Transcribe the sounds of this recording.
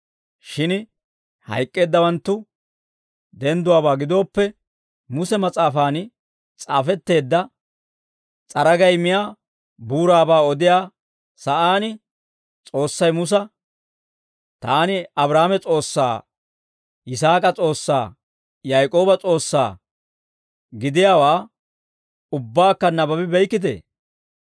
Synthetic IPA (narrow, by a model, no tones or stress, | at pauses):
ʃɪn | hɐ̰jkʼːe̞ːd̪ːɐwɐnt̪ːʊ | d̪ɛnd̪ʊwaːbaːɡɪd̪o̞ːpːɛ | mʊsɛmɐt͡sʼaːfaːn | t͡sʼaːfɛt̪ːe̞ːd̪ːɐ | t͡sʼɐɾɐɡɐjmɪjaː | buːɾaːbaːɔd̪ɪjaː | sɐʔaːnɪ | t͡sʼo̞ːsːɐjmʊs̬ɐ | t̪aːnɪɐbɾaːmɛt͡sʼo̞ːsːa̰ː | ɪs̬aːkʼɐt͡sʼo̞ːsːa̰ː | jajkʼo̞ːbɐt͡sʼo̞ːsːa̰ː | ɡɪd̪ɪjaːwaː | ʊbːaːkːɐnɐbɐbɪbɛjkːɪt̪ḛː